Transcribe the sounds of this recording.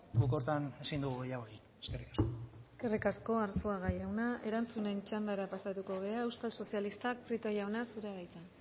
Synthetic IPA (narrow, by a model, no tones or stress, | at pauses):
buko̞ɾt̪ane̞sind̪uɣuɣejaɣoi | eskerikaskoeske̞rikasko̞aɾsoaɣajawnaʔe̞ɾant͡sune̞nt͡ʃand̪aɾapasat̪uko̞β̞e̞aewskalso̞sialist̪ak̚pɾit̪ojawnasuɾeaɾajt͡s̪an